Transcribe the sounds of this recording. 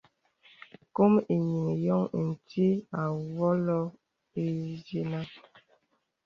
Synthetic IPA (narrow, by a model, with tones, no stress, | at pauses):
ko˦mi˨ɲi˨ŋjɔ˦ŋ˨n̩˨ti˦a˨wɔ˦lɔ˦ | e˦ze˦na˦